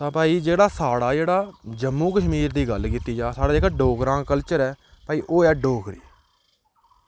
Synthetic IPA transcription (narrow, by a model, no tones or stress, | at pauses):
t̪ãːpaːiːd͡ʒeːɽaːsaːɽaːd͡ʒeːɽaːd͡ʒəmːũːkəʃmiːɾd̪iːɡəlkiːt̪iːd͡ʒaːsaːɽaːd͡ʒeːkaɖoːkɾãːkəlt͡ʃəɾɛːpaːiːʔoːɛːɖoːkʰɾḭː